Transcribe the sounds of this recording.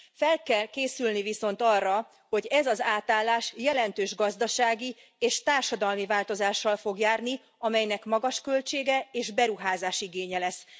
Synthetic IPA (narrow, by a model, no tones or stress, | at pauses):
fɛlkɛlkeːsylniviso̞nt̪ɒrːɒ | ho̞ɟɛzɒzaːt̪aːlːaːʃjɛlɛnt̪øːʒɡɒzd̪ɒʃaːɡi | eːʃt̪aːrʃɒd̪ɒlmivaːlt̪o̞zaːʃːɒlfo̞ɡjaːrni | ɒmɛjnɛkmɒɡɒʃkølt͡ʃeːɡɛeːʒbɛɾuɦaːzaːʃiɡeːɲɛlɛs